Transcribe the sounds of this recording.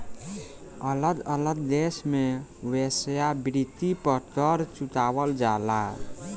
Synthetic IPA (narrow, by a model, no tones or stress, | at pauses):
ələd̪ələɡ̪̚d̪esmewesjabɾit̪ipəɾt̪əɾt͡ʃut̪abəld͡ʒala̰